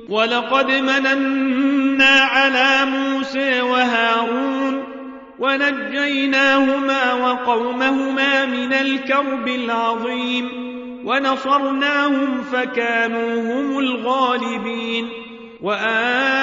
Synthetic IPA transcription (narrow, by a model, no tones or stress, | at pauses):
wɑlɑqɑd̪mananː | aːʕalaːmuːsaːwaɦaːɾuːn | wanad͡ʒːajnaːhʊmaːwɑqɑwmahʊmaːmɪnalkɑɾˤbɪlʕɑðˤiːm | wanɑsˤɑɾˤnaːhʊmfakaːnuːhʊmʊlɣaːlɪbiːn | waʔaː